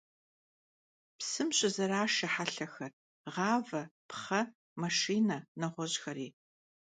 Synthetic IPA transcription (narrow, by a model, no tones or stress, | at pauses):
psɨmɕʼɪzɐɾaːʃɐħaɬɐxɐr | ʁɑːvɐpχɐ | mɐʂiːnɐnɐʁʷɔʑxɐɾiː